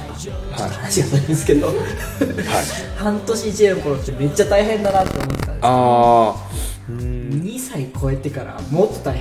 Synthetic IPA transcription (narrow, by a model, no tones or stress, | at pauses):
haanaɕiɡanaĩesɨ̥ked̪o̞ | a̰ | hãnt̪o̞ɕiːd͡ʑiko̞ɾot̪ːe̞me̞t͡ɕːat̪aiɦẽ̞nd̪anat̪ːoo̰mo̞t̪ːet̪ana | ɯ̃ɲisaikʰo̞e̞t̪e̞kaɾa̰mot̪ːo̞̥t̪ai